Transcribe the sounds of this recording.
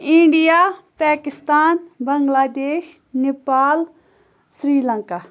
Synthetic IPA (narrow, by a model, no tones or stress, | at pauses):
ɪ̃ɳɖijaːpɛːkɪst̪aːnbɐŋɡlaːd̪eːʃ | nepaːl | sɾiːlə̃ŋkaː